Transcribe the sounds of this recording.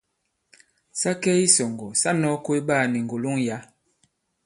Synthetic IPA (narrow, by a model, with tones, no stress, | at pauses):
sa˦kɛ˦i˦sɔ˨ŋɡɔ˨sa˦nɔ˦ko˦i˦ɓa˦˨ni˨ŋ˨ɡo˨lo˦ŋja˦